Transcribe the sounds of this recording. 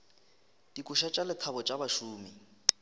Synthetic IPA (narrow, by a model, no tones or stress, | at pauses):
d̥ikʼʊʃat͡ʃʼalɪt͡sʰabɔt͡ʃʼabaʃuːmi